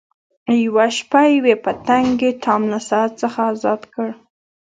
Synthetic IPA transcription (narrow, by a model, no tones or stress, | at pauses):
jawaʃpajwepət̪aŋɡet̪ʰɑmnasɑat̪̚t͡səxaːzɑd̪kəɽ